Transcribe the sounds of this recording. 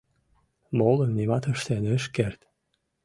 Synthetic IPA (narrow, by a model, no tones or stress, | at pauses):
molənnimɑt̪ə̆ʃt̪eneʃkert̪